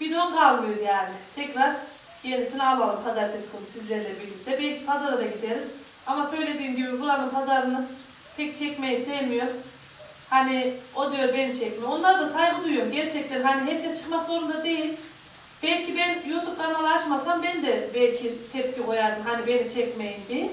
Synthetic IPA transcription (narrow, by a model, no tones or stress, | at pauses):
b̥id̪onkʰalˠmɯjoɾjaːnɪt̪ʰɛcɾaɾ̥ | jenisinalˠalˠɯmpʰazaɾt̪ʰesi̥kʰonusizlʲɛɾilʲɛbilːʲicd̪ɛbɛlʲcʰipʰazaɾɯd̪aɟit̪ʰeɾɯz | amasø̞jlʲe̞d̪iːmɟibifulˠanɯmpʰazaɾɯnɯn | pʰɛc̚t͡ʃʰɛcmejist̪ʰevmijo̞ɾ | haniod̪ujo̞ɾbenit͡ʃʰɛcmɛonlˠaɾd̪asaɦibud̪ujjomɟɛɾt͡ʃʰɛc̚t̪eɾɦaniɦɛp̚d̪ɛt͡ʃʰɯ̥kmaksoɾund̪ad̪ejilʲ | b̥ɛlʲcʰibɛnjot̪upk̪aɾnalˠaʃmasambɛnd̪ɛbɛlʲcʰit̪ʰɛp̚cʲikʰojaɾd̪ɯmɦanibe̞nit͡ʃʰɛcmejinbi